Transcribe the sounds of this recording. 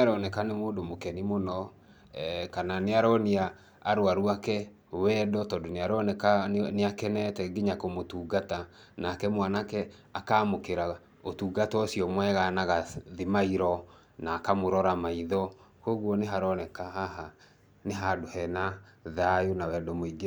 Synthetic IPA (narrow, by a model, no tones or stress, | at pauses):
aɾɔnɛkanemoːndomokɛnimonɔ | kananeaɾɔneaː | ɾwaɾuakɛ | wɛːdɔtɔndoneaɾɔnɛkaneakɛnɛtɛɡiɲakomotuːɡatanakɛmwanakɛ | akamokeɾa | otuːɡatɔsiɔmwɛɣanaɣaðimaiɾɔ | naːkamoɾɔɾamaiðɔ | koɣwɔneɦaɾɔnɛkaɦaɦa | neɦadohɛnaðajonawɛdɔmoiɡe